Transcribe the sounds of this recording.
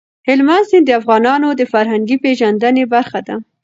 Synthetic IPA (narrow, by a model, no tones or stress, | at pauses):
hɪlmansɪnd̪əafɣɑnɑnod̪əfaɾɦaŋɡipeʒand̪ənebaɾxad̪a